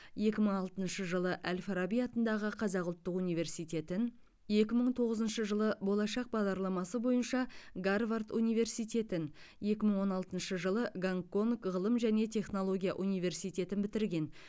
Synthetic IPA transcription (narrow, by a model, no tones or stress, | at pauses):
je̞kʲɪməɴɑlˠt̪ənʃəʒəlˠəʔælʲfaɾabijɑt̪ənd̪ɑʁəqʰɑzɑqʊlˠt̪ːəqunijve̞ɾsijt̪e̞t̪ɪn | je̞kʲɪməɴt̪ʰo̞ʁəzənʃəʒəlˠəbo̞lˠɑʃɑq̚bɑʁd̪ɑɾlˠɑmɑsəbo̞jənʃɑɡarvart̪unijve̞rsijt̪ʲe̞t̪ɪn | je̞kʲɪməɴwo̞nɑlˠt̪ənʃəʒəlˠəɡaŋkːo̞nkʁəlˠəmʒæne̞t̪ʲʰe̞χno̞lˠo̞ɡʲijaʔunijve̞rsijt̪e̞t̪ɪnbɪt̪ɪɾɡʲe̞n